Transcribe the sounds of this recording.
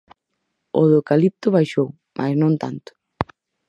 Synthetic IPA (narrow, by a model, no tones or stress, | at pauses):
o̰ðokalip̚t̪ʊβajʃow | mʔa̰znõnt̪a̰nt̪ʊ̥